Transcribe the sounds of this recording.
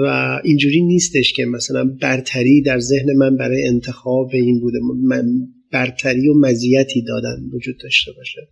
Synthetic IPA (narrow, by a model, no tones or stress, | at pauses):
væ̰ind͡ʒuːɾiːniːst̪e̞ʃcʰe̞mæsælænbæɾt̪ʰæɾiːd̪æɾze̞hne̞mænbæɾɒːjeent̪ʰe̞xɒːbe̞iːnbuːd̪emm | b̥æɾt̪ʰæɾiːomæzijæt̪ʰiːd̪ɒːd̪æ̰nvod͡ʒuːd̪̚ːɒːʃt̪e̞bɒːʃe